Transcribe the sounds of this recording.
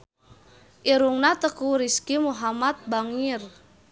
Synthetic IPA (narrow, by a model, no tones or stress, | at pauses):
ʔiɾuŋnat̪əkuɾiskimuɦamat̪̚baŋir